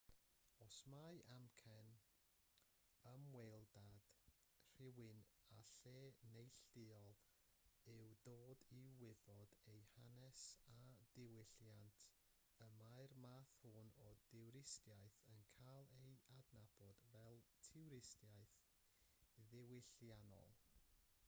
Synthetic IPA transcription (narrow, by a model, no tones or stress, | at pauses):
ɔsmajʔamkʰɛn | əmwɛjlˠdad̥r̥ɪwɨnaɬeːnejɬɪɔlˠ | ɨwdoːdiwɪbɔd̥ejhanɛsadɪwɪɬjantʰ | əmaɨrmaːθhʊnɔdɪwɾɪstjaɨθənkʰalˠejadnab̥ɔdvɛlˠtʰɪwɾɪstjajθ | ðɪwɪɬjanɔ̰lˠ